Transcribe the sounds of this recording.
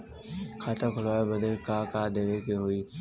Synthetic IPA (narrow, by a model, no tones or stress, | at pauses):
kʰaːt̪ʰãkʰʊlaːebəd̪ekaːkaːd̪eʋekeɦoiː